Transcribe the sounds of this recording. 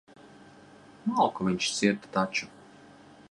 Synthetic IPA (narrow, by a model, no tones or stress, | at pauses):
malˠkɔviɲʲt͡ʃt̪sʲiɾt̪t̪at͡ʃu